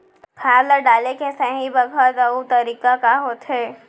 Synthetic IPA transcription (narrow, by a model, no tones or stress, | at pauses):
pʰaːɾləɖaːlekesəɦĩbɐɡʱət̪ɐut̪ɐɾiːkakaɦoːt̪ɦɛ